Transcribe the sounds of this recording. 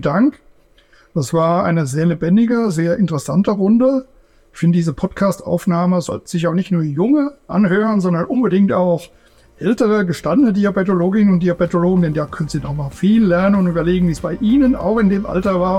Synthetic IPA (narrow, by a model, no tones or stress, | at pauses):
daŋk | d̥asv̥aːɐʔa̰ɪnəzeːɐlebɛndɪɡəzeːɐʔɪntəʁəsantəʁʊndə | ɪçfɪndədiːzəpʰɔtkʰaːstʔa̰ʊfnaːməzɔ̰ltn̩z̥ɪçaʊnɪçtnuːɐjʊŋəʔa̰nɦøːʁənzɔndɐnʔʊnbədɪŋktaʊx | ʔɛltəʁəɡəʃtandənədiabetoloːɡɪnnʊnt̚d̥iːabetoloːɡŋ̩dɛndaːkʰœnənziːdɔχmaːlfiːlːɛɐnənʊntʔyːbɐleːɡŋ̩viːsb̥aɪʔiːnəna̰ʊxɪndeːmʔa̰ltɐvaːɐ